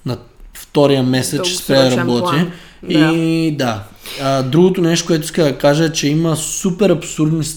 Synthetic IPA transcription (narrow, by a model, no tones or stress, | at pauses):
nɐft̪ɔɾijəmɛsɛt͡ʃspɾɛɾɐbɔt̪i | id̪a | d̪ɾuɡot̪onɛʃt̪o̥kʊɛt̪oʊiskəd̪ɐkaʒəɛt͡ʃɛimɐsupɛɾɐpsuɾd̪nis